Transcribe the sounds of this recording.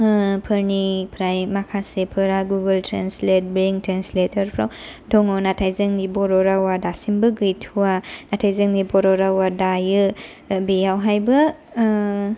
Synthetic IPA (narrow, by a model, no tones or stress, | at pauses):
pʰɯɾnipʰɾajmakʰasepʰɯɾaɡuɡəltʰɾanslet̚biŋtɾansletʰɐɾpʰɾawdɔŋɔnatʰajzɯŋnibɔɾɔɾawadasimbɯɡɯjtʰuwanatʰajzɯŋnibɔɾɔɾawadajɯ | bejawɦajbɐ